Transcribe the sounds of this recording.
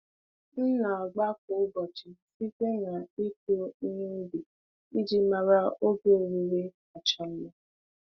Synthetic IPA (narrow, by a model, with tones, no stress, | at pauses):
n̩˦na˨a˨ɡ͡ba˦k̚ʊ˨˦bɔ˨t͡ʃɪ˨˦si˦te˦ŋa˨e˦to˦i˦ɲe˦bi˨ | i˦d͡ʒi˦ma˨ɾa˦o˦ɡe˦˨ɾi˦ɾe˦ | a˨t͡ʃa˨m̩˦ma˦